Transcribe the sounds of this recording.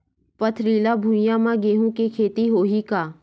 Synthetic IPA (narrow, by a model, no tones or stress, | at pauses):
pət̪ʰɾiːlabʱũɪjãmãɡeːɦũkekʰeːt̪iɦoːɦikaː